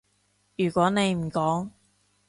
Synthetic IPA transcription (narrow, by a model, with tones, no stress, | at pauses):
jyː˨˩kʷɔː˨˥ne˨˧jm̩˨˩kɔː˨˥ŋ